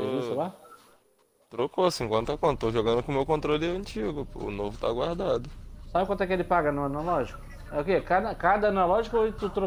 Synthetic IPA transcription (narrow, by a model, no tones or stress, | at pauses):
feisʊla | t̪ɾokoasĩẽŋkwɐ̃nt̪akõt̪t̪oʒoɡɐ̃nd̪ʊkõmewkõnt̪ɾolɪɐ̃t͡ʃiɡʊʊ̰novʊt̪aɡwaɾd̪ad̪ʊsabɪkwɐ̃nt̪ɛkɪelɪpaɡɐnuɐnalɔʒikʊ | ɛʊkekad̪ɐkad̪ɐɐnalɔʒikɐoɪt̪ut̪ɾo